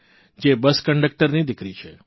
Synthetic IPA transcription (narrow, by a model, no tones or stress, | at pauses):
d͡ʒebəskəɳɖək̚ʈəɾnid̪ɪkɾit͡ʃʰe